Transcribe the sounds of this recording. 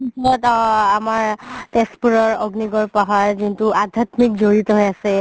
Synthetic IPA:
isɔtamaɹtɛspuɹɔɹɔɡniɡɔɹpaɦaɹzintuad̪ʱjatmikzoɹitɔɦojasɛ

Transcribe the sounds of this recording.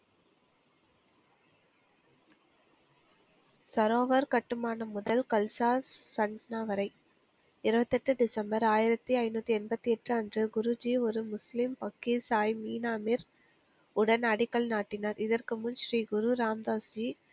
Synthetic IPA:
sɐɾoːʋɐɾkɐʈːɯmaːnɐmʊðɐlkɐlsaːɐɲd͡ʒɐnaːʋɐɾɐɪ | ɪɾɯbɐt̪ːɛʈːɯɖɪsɐmbɐɾaːjɪɾɐt̪ːiɐɪnuːt̪ːiɛnbɐt̪ːiɛʈrɯɐndrɯɡʊɾʊd͡ʒiɔɾɯmʊslɪmpɐkːisaːjmiːnaːmɪɾ | ʊɽɐnɐɽɪkːɐlnaːʈːɪnɐɾɪðɐrkɯmʊnʃɾiːɡʊɾuɾaːmd̪aːsi

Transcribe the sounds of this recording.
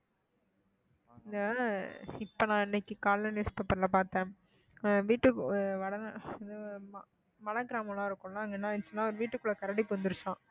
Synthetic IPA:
ɪnd̪ɐ | ɪpːɐnãːɪnːɛkːɯkaːlːɐnjuːspepːɐɾlɐpaːɾt̪ẽː | ʋiːʈːɯʋɐɽɐn̰ɪðɯm | mɐlɐɡɪɾaːmɐlãːɪɾɯkːʊ̃lãːɐŋɡɐnːaːɪnːɯsɔnːaːɔɾɯʋiːʈːɯkːɯɭːɐkɐɾɐɽipɔnd̪ɪɾɯsãː

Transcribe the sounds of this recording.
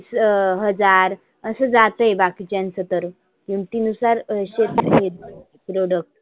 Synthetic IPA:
sɦəd͡zaɾ | əsəd͡zat̪əebakit͡ɕjãnt͡sət̪əɾ | kiũɳt̪iːnusaɾəɕet̪ɦiet̪ | pɾoɽək̚ʈ

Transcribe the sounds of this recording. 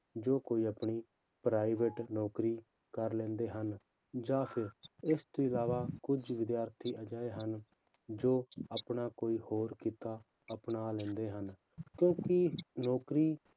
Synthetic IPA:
d͡ʒoːkoːiːəpɳiː | pɾaːiʋəʈnɔːkɾiː | kəɾlɛ̃ːnd̪eːɦən | d͡ʒaːpʰɪɾɪst̪oɪlaːʋaːkʊd͡ʒʋɪd̪jaːɾt̪ʰiːəd͡ʒaːeɦən | d͡ʒoːəpɳaːkoːiːhoːɾkiːt̪aː | əpnaːlɛ̃ːnd̪eːɦən | kjõːkɪnɔːkɾiː

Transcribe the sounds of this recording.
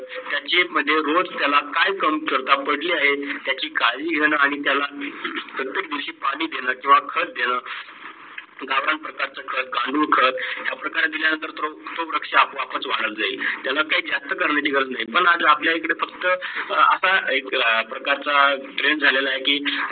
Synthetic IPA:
t̪jat͡ɕem̤əd̪ʱːjeɾod͡zt̪jalakajkəmkəɾt̪apəɽliːaɦet̪jat͡ɕiːkaliːɡʱeɽ̃əːaɽ̃it̪jalapɾət̪jek̚d̪iwɕiːpaɽiːd̪ʱenəkĩw̃ʋakʰət̪̚d̪eɽ̃əː | ɡaʋɾaɳpɾəkaɾt͡səkʰət̪̚ɡãɳɖuːɾkʰət̪ɦjapɾəkaɾad̪iljanənt̪əɾt̪ot̪oɾəkʂeapoapət͡sʋaɽ̃əld͡zailt̪jalakaɦiːd͡zast̪əkəɾɳat͡ɕ̪iɡəɾət͡snaɦipəɳad͡zapljaikəɽefəkt̪əə̰saekpɾəkaɾt͡saʈɾend͡zʱalelaːekiː

